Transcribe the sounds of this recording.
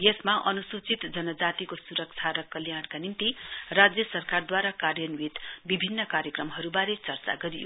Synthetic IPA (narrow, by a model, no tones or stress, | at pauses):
jʌsmaʔʌnusut͡sit̪d͡zʌnʌd͡zat̪ikosuɾʌk̚t͡sʰaɾʌkːʌljaɽkanimt̪irad͡zjʌsʌrkard̪waɾakarjʌnwit̪bibʱinːʌkaɾjʌkrʌmɦʌɾubaɾet͡sʌrt͡sa̰ɡʌɾijo̰